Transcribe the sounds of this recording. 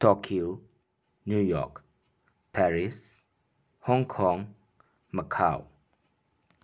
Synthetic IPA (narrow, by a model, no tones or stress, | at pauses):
tɔkʰio | njujɔ̰k | pʰɛɹis | hɔ̃ŋkʰɔ̃ŋ | məkʰaw